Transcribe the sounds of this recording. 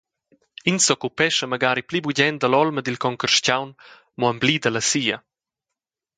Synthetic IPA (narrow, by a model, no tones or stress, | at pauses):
insɔkupɛʃəmaɡaːɾiplibuɟɛnd̪əlɔlməd̪ilkɔŋkərʃcawn | mɔaəmblid̪ələsiːɐ